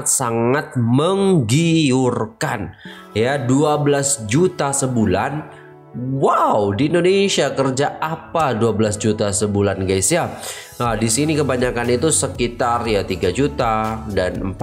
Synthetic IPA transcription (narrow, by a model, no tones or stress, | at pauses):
t̪̚saŋat̪̚məŋɡiurkan | jaduabəlasd͡ʒut̪asəbulan | wawdiːndonesiakərd͡ʒaapaduabəlasd͡ʒut̪asəbulanɡajsja | ədisinikəbaɲakanit̪usəkit̪arjat̪iɡad͡ʒut̪adanmp